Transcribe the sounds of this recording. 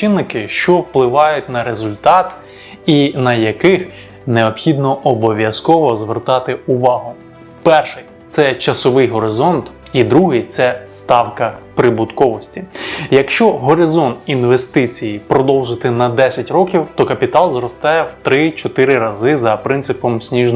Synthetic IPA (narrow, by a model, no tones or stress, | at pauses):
t͡ʃɪnːɪkɪʃt͡ʃɔwplˠɪʋɑjʊtʲnɐɾezʊlʲt̪ɑt̪ | inɐjɐkɪx | neɔpxʲid̪nɔʔɔbɔʋʲjɐskɔʋɔzʋert̪ɑt̪ɪʊʋɑɦʊ | pɛrʃɪj | t̪sɛt͡ʃɐsɔʋɪjɦɔɾɪzɔnt̪ | id̪ɾuɦɪjt̪sɛst̪ɑwkɐpɾɪbʊd̪kɔʋɔsʲtʲijɐkʃt͡ʃɔɦɔɾɪzɔnt̪inʋest̪ɪt͡sʲijipɾɔd̪ɔwˠʒɪt̪ɪnɐd̪ɛsʲɐtʲɾɔkʲiwt̪ɔkɐpʲit̪ɑlˠzrɔst̪ɛwt̪ɾɪt͡ʃɔt̪ɪɾɪɾɐzɪzɐpɾɪntsɪpɔmsʲnʲiʒn